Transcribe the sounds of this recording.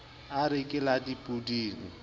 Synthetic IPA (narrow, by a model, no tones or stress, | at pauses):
aɾɪkʼɪladipʼudiːŋ̩